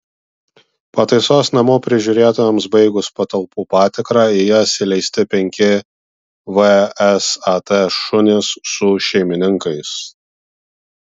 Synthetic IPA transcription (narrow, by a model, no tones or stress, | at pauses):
pɐt̪ɐɪsoːsnɐmoːpʲɾʲɪʒʲʊɾʲeːt̪ɔjɛmsbɐɪɡʊspɐt̪ɐlˠpuːpɑːt̪ʲɪkɾɑːɪjɛsʲɪlʲɛɪsʲt̪ʲɪpʲɛŋʲkʲɪ | ʋɛɛsɑt̪eʃʊnʲɪsːʊʃʲɛɪmʲɪnʲɪŋkɐɪs